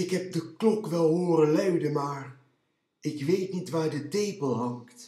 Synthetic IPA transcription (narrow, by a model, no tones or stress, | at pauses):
ɪkɦɛp̚dəklɔkʋɛlˠɦoːrənlœɥdəmaːr | ɪkʋejtnitʋaːɹdətejpəlˠɦɑŋkt